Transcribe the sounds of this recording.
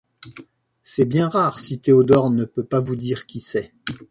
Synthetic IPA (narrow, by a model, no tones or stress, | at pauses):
sɛbjɛ̃ʁaʁsit̪eod̪ɔʁnəpøpavud̪iʁkʲisɛ